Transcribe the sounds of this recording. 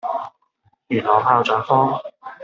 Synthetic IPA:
jyː˨˩nɔː˨˩wpʰaː˧wt͡sœː˨˥ŋfɔː˥ŋ

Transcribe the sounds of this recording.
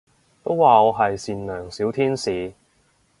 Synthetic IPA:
t̪o˥wwaː˨ɔː˨˧ɦɐ˨jsiː˨nlœː˨˩ŋsiː˨˥wt̪ʰiː˥nsiː˨˧

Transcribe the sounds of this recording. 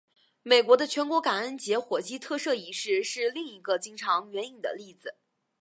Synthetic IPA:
me˨˩ɪkwɔ˧˥d̪ə˧t͡ɕʰɥɛ˧˥nkwɔ˧˥ka˨˩ə˥˩nt͡ɕjɛ˧˥xwɔ˨˩t͡ɕi˥t̪ʰɤ˥˧ʂɤ˥˩i˧˥ʂɻ̩˥˧ʂɻ̩˥˧li˥˩ŋi˧˥ɡə˧t͡ɕi˥ŋʈ͡ʂʰɑ˧˥ŋɥɛ˧˥ni˨˩ŋd̪ə̰˦li˥˩d͡zɹ̩˨˩

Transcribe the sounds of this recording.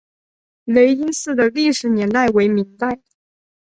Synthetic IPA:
le˧˥ɪi˥nsɹ̩˥˩d̪ə˩li˥˩ʂɻ̩˧˩njɛ˧˥nt̪a˥˩ɪwe˧˥ɪmi˧˥ŋt̪a˥˩ɪ

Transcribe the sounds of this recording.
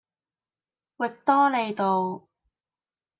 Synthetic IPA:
wɪ˨k̚t̪ɔː˥le˨˧jt̪o˨w

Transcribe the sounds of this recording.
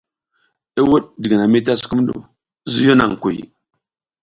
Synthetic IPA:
i˦wu˦ɗ̚di˨ɡi˨na˨mi˦t̬a˦si̥˦ku˦m˦do̰˨˦ | zu˦jo˦na̰˨ŋ˨ku˨j

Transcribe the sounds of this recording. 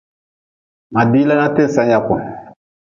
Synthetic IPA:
ma˨di˦la˦nã˦tẽ˦sã˦ja˨kɔ̃˨

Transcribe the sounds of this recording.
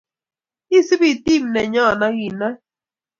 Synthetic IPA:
i˦˨si˦bi˦˨ti˦˨m˨nɛ˨ɲɔ˦˨na˦ɣi˨na˦

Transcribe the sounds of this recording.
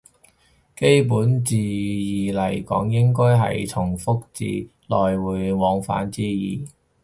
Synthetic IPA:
ke˥jp̬uː˨˥nt͡siː˨jiː˨lɐ˨˩jkɔ̰ː˨˥ŋjɪ˥ŋkɔː˥jɦɐ̰˨jt̪ʰʊ˨˩ŋfʊ˥k̚t͡sḭː˧ | lɔː˨jwuː˨˧jwɔː˨˥ŋfa̰ː˨˥nt͡siː˥jiː˨˩

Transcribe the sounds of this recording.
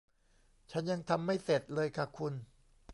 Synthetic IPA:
t͡ɕʰa˦˥nja˧ŋt̪ʰa˧mːa˥˩jse˨˩t̪̚lɤː˧jkʰa˧˨˩kʰu˧n

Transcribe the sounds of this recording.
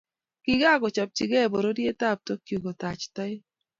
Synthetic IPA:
kɪ˦ɡa˦kɔ˨t͡ʃɔ˨p̚t͡ʃɪ˨ɡɛ˦˨bo˨ɾo˦dje˦ta˦˨p̚to˦kju˨ɡo˨ta˨t͡ʃtɔ˦ɪ˦

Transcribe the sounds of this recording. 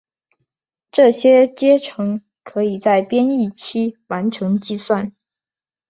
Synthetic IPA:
ʈ͡ʂɤ˥˩ɕjɛ˥t͡ɕjɛ˥ʈ͡ʂʰɤ˧˥ŋ | kʰɤ˧˥i˨˩t͡sa˥˩ɪpjɛ˥ni˥˩t͡ɕʰi˥wa˧˥nʈ͡ʂʰɤ˧˥ŋt͡ɕi˥˧swa˥˩n

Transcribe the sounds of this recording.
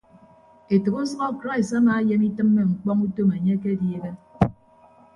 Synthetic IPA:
e˨tɨ˨ɣu˦sɔ˦ɣɔ˦kɾa˦i˨sa˦naː˨˦je˦mi˦tɨ˦mːe˦ŋ͡m̩˨k͡pɔ˦ŋu˦to˦me˨ɲe˦ke˦dje˦ɣe˦

